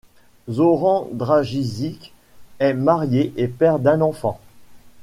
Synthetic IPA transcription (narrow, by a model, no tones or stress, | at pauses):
zɔʁɑ̃d̪ʁaʒizik | ɛmaʁjeʔepɛʁd̪ɛ̃nɑ̃fɑ̃